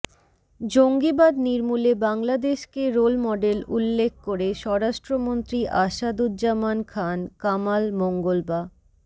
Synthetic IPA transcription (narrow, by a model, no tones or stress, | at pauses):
d͡ʑoŋɡibad̪niɾmulebaŋlad̪eʃkeɾolmɔɖelulːekʰkoɾeʃɔɾaʃʈɾomont̪ɾiʔaʃad̪ud͡ʑamankʰankamalmoŋɡolba